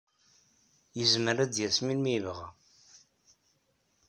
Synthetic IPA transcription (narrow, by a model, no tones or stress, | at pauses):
jəzməɾæd̪jæsminmivʁæ̰